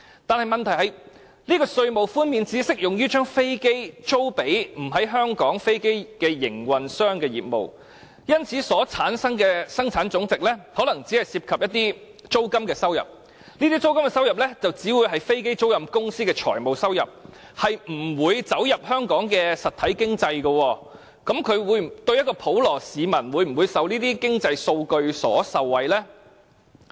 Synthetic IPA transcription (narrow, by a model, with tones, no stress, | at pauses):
t̪aː˨nhɐ˨jmɐ˨nt̪ʰɐ˨˩ɦɐ˨˩j | niː˥kɔː˧sɵ˧ɥmo˨wfuː˥nmiː˧nt͡siː˨˥sɪ˥k̚jʊ˨ŋjyː˥t͡ʃœː˥ŋfe˥jke˥jt͡so˥wpe˨˥jm̩˨˩ɦɐ˨˥jɦœː˥ŋkɔː˨˥ŋfe˥jke˥jkɛː˧jɪ̰˨˩ŋwɐ˨nsœː˥ŋkɛː˧jḭː˨˩t̚mo̰˨w | jɐ˥nt͡sʰiː˨˥sɔː˨˥t͡sʰaː˨˥nsɐ˥ŋkɛː˧sɐ˥ŋt͡sʰaː˨˥nt͡sʊ˨˥ŋt͡sɪ˨k̚lɛ˥hɔː˨˥lɐ˨˩ŋt͡siː˨˥hɐ˨jsiː˧p̚kʰɐ˨p̚jɐ˥t̚t̪iː˥ | t͡so˥wkɐ˥mkɛː˧sɐ˥wjɐ̰˨˩p̚ | niː˥t̪iː˥t͡so˥wkɐ˥mkɛ˧sɐ˥wjɐ˨p̚lɛː˥t͡sɐ˨wt͡siː˨˥wu˨˧jɦɐ˨jfe˥jke˥jt͡so˥wjɐ˨˩mkʊ˥ŋsiː˥kɛː˧t͡ʃʰɔː˨˩jmo˨˩wsɐ˥wjɐ˨p̚ | hɐ˨jm̩˨˩wuː˨˧jt͡sɐ˨˥wjɐ˨p̚hœː˥ŋkɔː˨˥ŋkɛː˧sɐ˨t̪ʰɐ˨˥jkɪ˥ŋt͡sɐ˧jɡɐ˧wɔː˧ | kɐ˨˥mkʰɵ˨˧ɥwuː˨˧jt̪ɵ˧ɥjɐ˥t̚kɔː˧pʰo˨˥wlɔː˨˩siː˨˧mɐ˨˩nwuː˨˧jm̩˨˩wuː˨˧jsɐ˨wniː˥t̪iː˥kɪ˥ŋt͡sɐ˧jso˧wkɵ˧ɥsɔ̰ː˨˥sɐ˨wːɐ˨jlɛː˥